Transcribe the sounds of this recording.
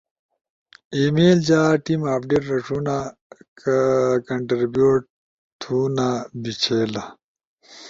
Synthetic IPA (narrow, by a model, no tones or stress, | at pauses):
imeːld͡ʑaːʈimaːp̚ɖeːʈɾɐʂuna | kɐɳʈɾibjuːʈ̚ | t̪ʰuːnabit͡ɕʰeːlɐ